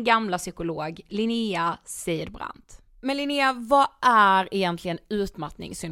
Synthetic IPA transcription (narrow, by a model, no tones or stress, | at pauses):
ɡamlasʏkʊloːɡlɪniasiːd̪bɾa̰nt̪ | mɛnlɪniːavaʔæɾɛjɛnt̪lɪɡənʉ̟ːt̪mat̪nɪ̰ŋsʏn